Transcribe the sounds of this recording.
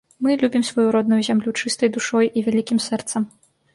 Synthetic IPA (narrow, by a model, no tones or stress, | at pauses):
mɨlʲubʲimsvɔjuɾɔd̪nujuzʲamlʲut͡ʂɨst̪ɐjd̪uʂɔjivʲalʲikʲimsɛrt̪sɐm